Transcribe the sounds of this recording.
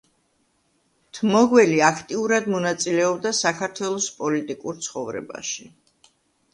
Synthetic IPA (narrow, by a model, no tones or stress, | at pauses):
t̪ʰmɔɡwɛliakʰt̪ʼiuɾad̪mɔnat̪sʼilɛɔbd̪asakʰaɾt̪ʰwɛlˠɔspʼɔlit̪ʼikʼuɾt̪sʰχɔvɾɛ̰ba̰ʃi